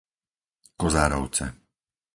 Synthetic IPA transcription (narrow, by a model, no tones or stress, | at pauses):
kɔzaːɾɔ̰ʊt͡sɛ̰